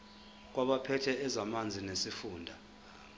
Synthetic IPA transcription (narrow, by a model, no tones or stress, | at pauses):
k̬waɓapʰɛtʰɛɛzamand͡zʱinesifuːndʱa